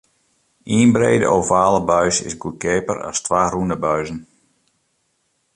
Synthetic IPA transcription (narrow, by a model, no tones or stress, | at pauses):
ʔiːnbrejdə̰ʔovaːləbœɥsɪ̰sɡukeːpəɾa̰stʋaːrundəbœɥzən